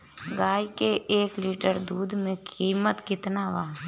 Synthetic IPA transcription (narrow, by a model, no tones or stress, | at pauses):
ɡaːjkeʔeːkliːʈəɾd̪uːd̪ʱmẽkiːmət̪kɪt̪naʋaː